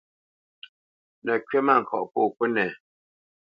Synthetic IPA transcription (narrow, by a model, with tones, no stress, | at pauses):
nə˨kɥe˦ma˦˨ŋ̩˨kʰɔ̰˨ʔpoː˦˨kə˦nɛ˨